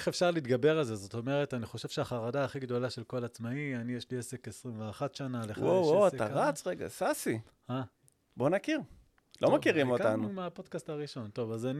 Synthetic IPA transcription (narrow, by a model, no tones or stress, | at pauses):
eχe̞fʃaʁliːt̪ɡabe̞ʁalze̞zot̪o̞meʁe̞taniχo̞ʃe̞v̥ʃeaχaʁadaːχiɡdo̞laʃe̞lko̞lat͡smaianijeʃliese̞kesʁimveaχatʃanalewowoaetaʁat͡sʁeɡa̰sasi | ha | bo̞nakiʁ | lomakiʁimoktanuumeapo̞d̪kastaʁiʃo̞nto̞vazan